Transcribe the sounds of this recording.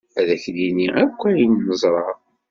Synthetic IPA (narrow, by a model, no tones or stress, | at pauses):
æðæçliniækʷːæjinːəzˤɾˤɑ